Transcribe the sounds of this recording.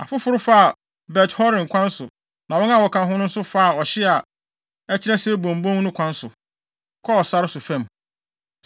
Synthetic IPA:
a̰˨fʊ˦fʊ˦ɾʊ˦fa˦a˨ | bɛ˨thɔ˦ɾɪ̃˨n˨kʷʰã˦n˦sʊ˨ | nã˨wɔ̃˦na˦wɔ˨kʰã˨ɦʊ̃˦nʊ̃˦n̩˦sʊ˦fa˦a˨ɔ˨ɕɪ˦a˨ | ɛ˦t͡ɕʰɪ˦ɾɛ˦se˦bõ˨m˨bõ˦ŋ˦nʊ̃˦kʰʷã˦nsʊ˨ | kʰɔ˦ɔ˨sa˦ɾɪ˦sʊ˨fɛ̃˦˨m

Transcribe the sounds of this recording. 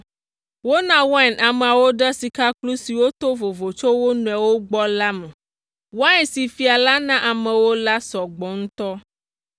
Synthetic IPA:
wo˦nã˦wɛ˦˨na˨me˨a˨wo˦ɖə˦si˨ka˦klu˦si˨wo˦t̪o˦vo˨vo˨t͡ʃo˦wo˦nũ˨ɛ˨wo˦ɡ͡bɔ˦la˦mẽ˨ | wo˦a˦ɛ˨si˨fi˨a˨la˦nã˦ʔa˨mɛ̃˨wo˦la˦sɔ˨ɡ͡bɔ˨ŋ̩̃˦t̪ɔ˦

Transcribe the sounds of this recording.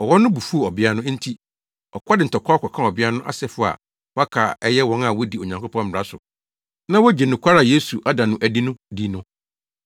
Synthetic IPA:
ɔ˨wɔ˦nʊ̃˦bu˨fu˦o˨ɔ˨bɪ˦a˦nʊ̃˦n̩˦tʰi˦ | ɔ̰˨kʰʷa˦dɪ˨n̩˨tʰɔ˨kʰɔ˦kʰɔ˨kʰã˦ɔ˨bɪ˦a˦nʊ̃˦ʔa̰˦˨sɛ˦˨fʊ˨˦˨a̰˨ | wa˦kʰa˨ɛ˦jɛ˦wɔ̃˦na˨wɔ˦di˨o˨ɲã˨ŋkʰo˦pʰɔ̃˦m̩˨ɾa˦sʊ̰˨ | nã˦wɔ˦d͡ʑe˨nʊ̃˨kʷʰa˦ɾa˨je˦su˨ʔa˦dã˨nʊ̃˦ʔæ˨di˦nʊ̃˦di˦nʊ̃˦

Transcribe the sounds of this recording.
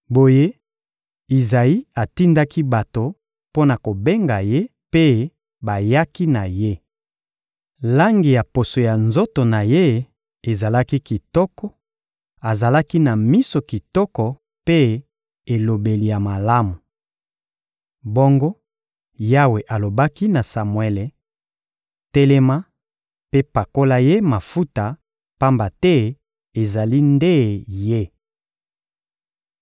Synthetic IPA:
bo˨je˦ | i˨za˨i˦a˨ti˦nda˦ki˦ba˨to˨ | po˦na˨ko˨be˦ŋɡa˨je˦ | pe˦ | ba˨ja˦ki˦na˨je˦ | la˦ŋɡi˨ja˨po˨so˨ja˨nzo˦to˨na˨je˦ | e˨za˨la˦ki˦ki˨tɔ˦kɔ˦ | a˨za˨la˦ki˦na˨mi˦so˨ki˨tɔ˦kɔ˨ | pe˦ | e˨lo˨be˨li˨ja˨ma˨la˦mu˨ | bo˦ŋɡo˦ | ja˦we˨ʔa˨lo˨ba˦ki˦na˨sa˨mwɛ˦le˨ | tɛ˦lɛ˦ma˦ | pe˦pa˨ko˦la˦je˦ma˨fu˦ta˨ | pa˦mba˨tɛ˦ | e˨za˨li˦nde˦je˦

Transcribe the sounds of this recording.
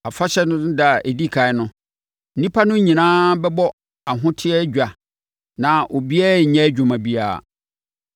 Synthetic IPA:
a˨fa˦ɕɛ˦nʊ̃˦da˨a˨ʔe˨di˦kʰa˨ɪ˦nʊ̃˦ | n̩˦nĩ˦pʰa˦nʊ̃˦ɲĩ˨nãː˦bɛ˦bɔ˦ | a˨ɦʊ̃˦tʰɪ˦ɛ˦d͡ʑᶣa˨ | nã˨ʔo˨bi˦ɛ˦˨ɲɛ̃˦d͡ʑᶣʊ˨mã˨bi˦a̰ː˦˨

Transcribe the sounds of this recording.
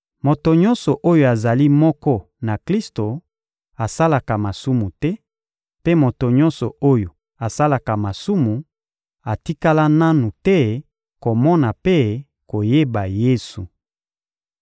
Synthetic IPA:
mo˨to˨ɲɔ˦nsɔ˨ʔo˦jo˨a˨za˨li˦mɔ˦kɔ˦ | na˨kʁi˦sto˨ | a˨sa˦la˨ka˨ma˨su˦mu˨tɛ˦ | pe˦mo˨to˨ɲɔ̃˦nsɔ˨o˦jo˨ | a˨sa˦la˨ka˨ma˨su˦mu˨ | a˨ti˦ka˦la˦na˦nu˨tɛ˦ | ko˨mɔ˦na˨pe˦ | ko˨je˦ba˨je˦su˨

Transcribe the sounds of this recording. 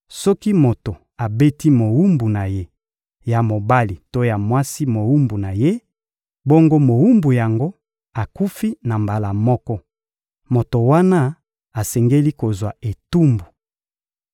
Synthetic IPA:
sɔ˦ki˦mo˨to˨ | a˨be˦ti˦mo˨wu˦mbu˨na˨je˦ | ja˨mo˨ba˦li˨to˦ja˨mwa˦si˦mo˨wu˦mbu˨na˨je˦ | bo˦ŋɡo˦mo˨wu˦mbu˨ja˨ŋɡo˦ | a˨ku˦fi˦na˨mba˨la˨mɔ˦kɔ˦ | mo˨to˨wa˦na˦ | a˨sɛ˨ŋɡe˦li˦ko˨zwa˨e˨tu˦mbu˨

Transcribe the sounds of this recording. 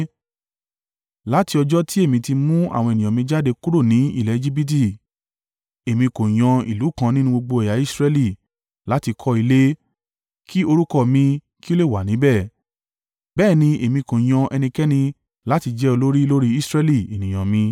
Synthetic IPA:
la˨˦ti˧ɔ˧d͡ʒɔ˦ti˦e˦˨mĩ˧ti˧mũ˦a̰˦˨w̃ɔ̃˧e˨nĩ˨ã˨mĩ˧d͡ʒa˦de˧ku˦ɾo˦˨nĩ˨˦ḭ˦˨lɛ˨˦˧d͡ʒi˦bi˦t̬i˦˨ | e˨mĩ˧ko˨j̃ɔ̃˧ḭ˨lu˨˦kã˦˧nĩ˦nũ˧˦ɡ͡bo˧ɡ͡bo˧ɛ˨ja˨˦i˦sɾɛ˧li˦˨ | la˨˦ti˧kʰɔ˦i˧le˦ | kʰi˦o˧ɾu˦kɔ˦˨mĩ˧ | ki˦o˦le˦˨wa˨nĩ˨˦bɛ˦˨ | bɛː˦˨nĩ˧e˨mĩ˧ko˨j̃ɔ̃˧ʔɛ˧nĩ˧kɛ˦nĩ˧ | la˨˦ti˧d͡ʒɛ˦o˧lo˦ɾi˦lo˦ɾi˦i˦sɾɛ˦li˦˨e˨nĩ˨j̃ã˨mĩ˧

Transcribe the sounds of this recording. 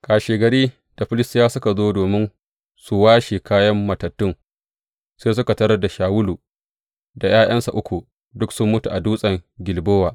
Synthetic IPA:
kaː˨ʃeː˨ɡɐ˨ɽiː˦ | d̥a˨ɸɪ˦lɪ˦stɪ˦jaː˦sʊ˦ka˨zoː˦doː˨mɪ˦n | su˨waː˦ʃi˨kaː˦jɐ˦mːɐ˨tɐ˨tːʊ˦ŋ | seː˦s̬ʊ˦ka˨tɐ˦ɾɐ˦da˨ʃaː˨wʊ˦luː˨ | da˨j̰aː˦j̰ɐ˦nsa˨ʔʊ˦kʷu˨ | dʊ˦ksʊ˦mːʊ˦tu˨ʔa˨duː˦sʼɐ˨ŋɡʲɪ˨lboː˦waː˨

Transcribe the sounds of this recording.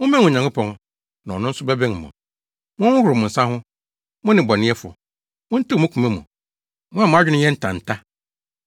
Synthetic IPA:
wʊ̃˦mɛ̃˦ʊ̃˨ɲã˨ŋkʊ˦pʰɔ̃˨ŋ | nã˨ɔ˨nʊ̃˦n̩˦sʊ˦bɛ˦bɛ̃˦ŋ˨mʊ̰̃˨ | mʊ̃˦ʊ˦hʊ˨ɾmʊ̃˨n̩˨sã˦hʊ̃˦ | mʊ̃˦nɪ̃˨bɔ˨nɪ̃˦ɛ˦fʊ˨ɔ˨ | mʊ̃˦n̩˦ti˦˨mʊ̃˦kʰu˨mɛ̃˦mṵ̃˨ | mʊ̃˦a˨mʊ̃˦a˦d͡ʑᶣɪ˦nʊ̃˦jɛ˦n̩˦tʰã˨n̩˨tʰa˦

